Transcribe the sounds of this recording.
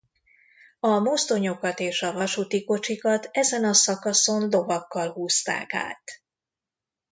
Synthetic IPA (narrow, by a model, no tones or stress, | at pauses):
ɒmo̞st̪o̞ɲo̞kɒt̪eːʃɒvɒʃut̪iko̞t͡ʃikɒt̪ɛzɛnɒsɒkɒso̞nd̪o̞vɒkːɒlɦuːst̪a̰ːka̰ːt̪